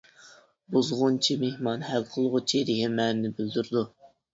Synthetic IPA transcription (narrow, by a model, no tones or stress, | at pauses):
buzʁʊnt͡ʃʰimehmɑnhælqʰəlˠʁʊt͡ʃʰiɾɪɦɛmːɛnɪnɪbɪld̪yɾd̪u